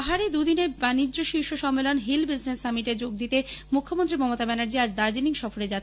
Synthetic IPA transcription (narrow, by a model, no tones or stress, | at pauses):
ɦaɾed̪ud̪inebanid͡ʑːoʃiɾʃoʃɔmːelonɦilbisnesamiʈed͡ʑoɡ̚d̪it̪emukʰːomont̪ɾimɔmot̪abɛnaɾd͡ʑiad͡ʑd̪aɾd͡ʑiniŋʃɔfoɾed͡ʑa